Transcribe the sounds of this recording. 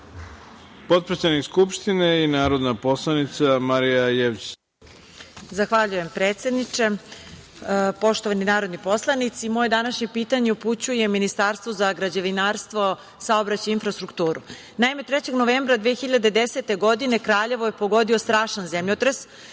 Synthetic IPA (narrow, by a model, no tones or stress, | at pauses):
po̞t̪̚pɾetsenikskupʃt̪ineinaːɾod̪naposlˠanit̪samaɾijajeʋt͡ɕ | zaxʋaʎuje̞mpɾeːt̪se̞d̪nit͡ʂe̞ | po̞ʃt̪o̞ʋaninaːɾo̞d̪nipo̞slˠanit̪simoːje̞d̪anaʃɲe̞piːt̪aɲeuput͡ɕuje̞minist̪aːɾst̪ʋozaɡɾad͡ʑeʋinaːɾst̪ʋo̞ | saobɾat͡ɕainfɾast̪ɾukt̪uːɾu | naimet̪ɾet͡ɕe̞ɡnoʋeːmbɾad̪ʋexiʎad̪ed̪eset̪e̞ɡo̞d̪ine̞kɾaːʎe̞ʋo̞je̞po̞ɡo̞d̪io̞st̪ɾaːʃanzemʎot̪ɾes